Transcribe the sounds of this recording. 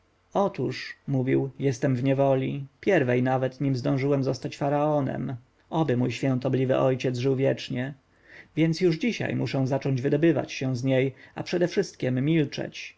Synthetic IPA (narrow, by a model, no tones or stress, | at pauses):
ɔt̪uʂmuvʲiwjɛst̪ɛmvɲɛvɔlʲipʲjɛɾvɛjnavɛt̪ɲimzd̪ɔ̃w̃ʐɘwɛmzɔst̪at͡ɕfaɾaɔnɛ̰m | ɔbɘmujɕfʲɛ̃nt̪ɔblʲivɘʔɔjt͡ɕɛd̪zʐɘwvʲjɛt͡ʂɲɛ | vʲjɛnt̪sjuʐd͡ʑiɕa̰jmuʂɛ̃w̃zat͡ʂɔɲd͡ʑvɘd̪ɔbɘva̰t͡ɕɕɛw̃zɲejapʂɛd̪ɛfʂɘst̪̚kʲɛmːʲilt͡ʂɛ̰t͡ɕ